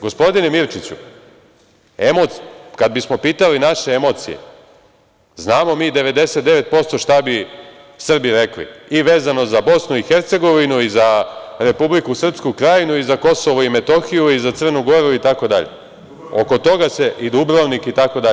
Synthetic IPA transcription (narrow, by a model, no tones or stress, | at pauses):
ɡo̞spo̞d̪inemiɾt͡ʃit͡ɕṵ | emokad̪̚bismo̞piːt̪alinaʃe̞emo̞t̪sḭjḛ | znaːmo̞miːd̪e̞ʋe̞d̪e̞set̪̚d̪e̞ʋe̞t̪̚po̞st̪o̞ʃt̪abi | sr̩biɾe̞klḭiʋe̞ːzano̞zabo̞snuixeɾt̪se̞ɡo̞ʋinuizaɾe̞publikusr̩pskukɾajinuizako̞so̞ʋoime̞t̪o̞xijuizat̪sr̩nuɡo̞ɾuit̪ako̞d̪aʎḛ | o̞ko̞t̪o̞ɡase̞ʔid̪ubɾoʋnikit̪akod̪a